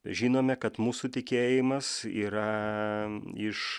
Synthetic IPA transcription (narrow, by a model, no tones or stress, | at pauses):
ʒʲiːnoːmʲɛkɐt̪muːsuːt̪ʲɪkʲeːjɪmɐsiːɾɐ | ɪʃ